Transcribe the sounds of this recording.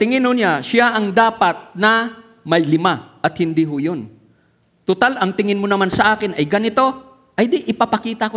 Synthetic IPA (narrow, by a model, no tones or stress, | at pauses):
t̪ɪŋɪnɦonaʃaʔɐŋd̪aːpɐt̪̚nɐ | mɐjlɪmaʔɐt̪̚hɪnd̪iɦʊjon | t̪ʊt̪alʔɐŋt̪ɪŋɪnmonɐmansɐʔaːkɪnɐjɡɐnɪt̪o̞ | ʔɐjd̪iʔɪpapɐkiːt̪ɐko